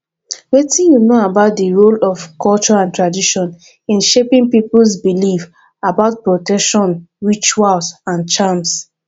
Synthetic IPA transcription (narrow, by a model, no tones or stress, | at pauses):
wetĩnjunoabaʊt̚dəɹolɔfkʰɔlt͡ʃɔãntɹadiʃɔ̃n | ĩnʃepĩŋpipl̩sbilif | abaʊt̚pɹɔtɛkʃɔ̃nɹit͡ʃualsãnt͡ʃams